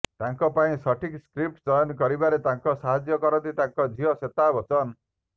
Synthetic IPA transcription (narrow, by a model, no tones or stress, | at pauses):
t̪aŋkɔpaĩsɔʈʰikskɾip̚ʈd͡ʒɔjɔnkɔɾibaɾet̪aŋkɔsaɦad͡ʒjɔkɔɾɔnt̪it̪aŋkɔd͡ʒʱiɦɔset̪abɔt͡ʃɔn